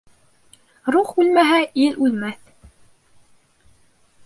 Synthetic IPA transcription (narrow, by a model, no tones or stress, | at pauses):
ɾuχʉlmæɦæʔilʔʉlmæθ